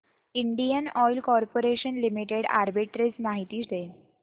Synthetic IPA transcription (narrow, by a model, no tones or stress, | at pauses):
iɳɖijənɔjlkɔɾpoɾeɕənlimiʈeɽa̰ɾbiʈɾet͡smaɦit̪iːɕd̪e